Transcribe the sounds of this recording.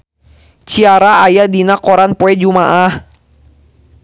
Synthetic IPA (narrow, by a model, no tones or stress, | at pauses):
t͡ʃiaɾaajadinakɔɾanpɔɛd͡ʒumaʔah